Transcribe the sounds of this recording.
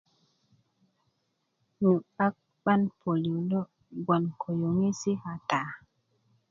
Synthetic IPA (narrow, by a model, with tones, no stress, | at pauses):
nu˨a˦k̚ | ɓa˦npʰo˨li˨lɔ˦ | ɡa˨nkʰo˨jo˨ŋe˦si˦ha˨ta˨